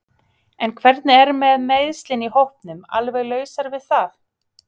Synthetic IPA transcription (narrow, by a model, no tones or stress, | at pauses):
ɛnkʰvɛɾt̪nɪɛɾmɛðmejðst̪lɪnihowhpnʏma̰lvɛɣlœːɥsaɾvɪðθaθ